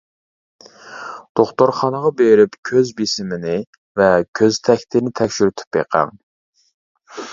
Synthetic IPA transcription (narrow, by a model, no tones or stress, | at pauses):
d̪̥oχt̪ʊɾχɑnəʁɑbeɾɪpkʲʰøzbisɪmɪnɪ | vɛkʲʰøzt̪ʰɛkʲt̪ʰɪnɪt̪ʰɛkʲʃyɾt̪ʰy̥pjḛqʰæ̰ŋ